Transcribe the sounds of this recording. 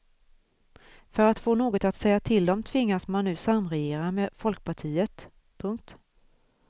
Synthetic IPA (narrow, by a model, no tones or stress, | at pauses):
fœɾat̪foːnoːɡɔt̪at̪sɛjːat̪ʰɪld̪ɔmt̪ʰvɪŋːasmanːʉ̟ːsamːɾɛjeːɾameːfɔlk̚pʰaʈʰiːət̪ | pʰɵŋk̚t̪